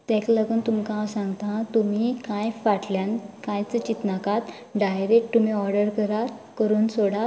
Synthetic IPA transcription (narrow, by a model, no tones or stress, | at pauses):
t̪ɛ̃kləɡuːnt̪umkãsãŋɡt̪ãt̪um̤ikãjfaʈljãnkãjt͡sət͡ɕit̪nakat̪ | ɖajɾek̚t̪umiɔɾɖəɾkəɾakəɾuːnsoɽa